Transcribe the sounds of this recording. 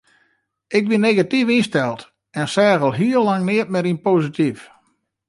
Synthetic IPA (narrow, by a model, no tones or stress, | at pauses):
ʔɪk̚binːeɣatifinstɛlˠt | ɛnsɛːɣəlˠɦiəlaŋnɪət̚mɛɾinpoːsitʰif